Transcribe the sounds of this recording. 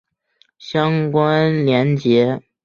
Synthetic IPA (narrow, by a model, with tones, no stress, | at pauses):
ɕjɑ˥ŋkwa˥nljɛ˧˥nt͡ɕjɛ˧˥